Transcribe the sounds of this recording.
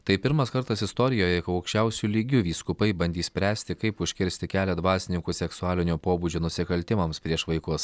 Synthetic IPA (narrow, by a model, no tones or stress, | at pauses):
t̪ɐɪpʲɪɾmɐskɐɾt̪ɐsɪst̪ɔɾʲɪjoːjɛkɐɐʊkʃʲt͡ʃʲɛʊsʲulʲiːɡʲuʋʲiːskʊpɐɪbɐnʲd̪ʲiːsʲpʲɾʲæːsʲt̪ʲɪkɐɪpʊʃʲkʲɪɾʲsʲt̪ʲɪkʲæːlʲɛd̪ʋɑːsʲɪnʲɪŋkuːsʲɛksʊɑːlʲɪnʲuːpoːbud͡ʒʲoːnʊsʲɪkɐlʲt̪ʲɪmɐmspʲɾʲiɛʃʋɐɪkʊs